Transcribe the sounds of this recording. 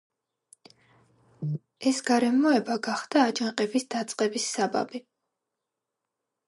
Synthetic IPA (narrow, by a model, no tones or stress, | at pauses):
ɛsɡaɾɛmɔɛbaɡaχd̪̥aːd͡ʒaŋqʼɛbisd̪at̪sʼqʼɛbisːaba̰bi